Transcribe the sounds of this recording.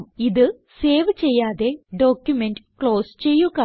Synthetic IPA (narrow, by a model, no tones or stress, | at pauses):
iðɨ | se̞ːʋt͡ɕe̞jːaːðe̞ɖo̞ːkʲjumenɖɨkɭo̞ːst͡ɕe̞jːuɣa